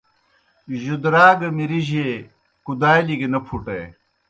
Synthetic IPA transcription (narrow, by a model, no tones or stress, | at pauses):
ʑud̪ɾaːɡɐmiɾiʑe | kud̪aːjliɡenɐpʰuʈɐj